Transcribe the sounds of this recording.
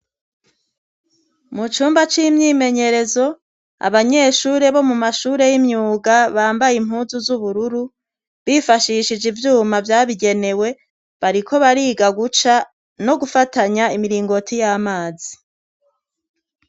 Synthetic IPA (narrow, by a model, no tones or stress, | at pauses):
mut͡ʃuːmbat͡ʃimɲiːme̞ɲe̞ɾe̞zo̞ | a̰βaɲe̞ʃuːɾe̞βo̞mumaʃuːɾe̞jimɲuːɡaβaːmbajimɦuːnzuzuβuɾuɾu | βifaʃiʃid͡ʒivjuːmavjaːβiɡe̞ne̞we̞ | βaɾikʰo̞βaɾiːɡaɡut͡ʃa | no̞ɡufataɲaimiɾiːŋɡo̞tʰijaːmaːzi